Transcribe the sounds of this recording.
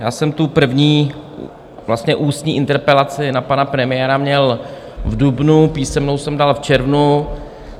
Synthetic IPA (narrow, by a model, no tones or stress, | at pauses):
jaːsɛmt̪upr̩vɲiː | vlast̪ɲɛʔuːst̪ɲiːʔɪnt̪ɛɾpɛlat͡sɪnapanapɾɛmɪjɛɾamɲɛl | vdubnupiːsɛmnowsɛmdalft͡ʃɛɾvnu